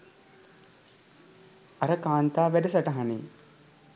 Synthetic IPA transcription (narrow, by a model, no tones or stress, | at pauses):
ɐɾəkaːnt̪aːʋædɐsɐʈɐɦanḛː